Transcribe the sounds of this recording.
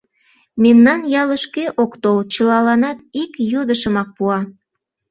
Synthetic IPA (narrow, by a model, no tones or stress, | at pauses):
memnɑnjɑləʃkeʔokt̪olt͡ɕəlɑlɑnɑt̪ikjod̪əʃəmɑk̚puɑ